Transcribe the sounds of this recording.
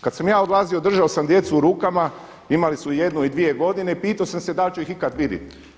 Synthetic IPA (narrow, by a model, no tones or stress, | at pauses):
kad̪samjaːod̪lˠaziod̪r̩ʒaosamd̪je̞t̪suːɾuːkama | imalisuje̞d̪nuid̪ʋije̞ɡo̞d̪ine̞ipiːt̪aosamsed̪alt͡ɕuixikad̪ʋid̪jḭt̪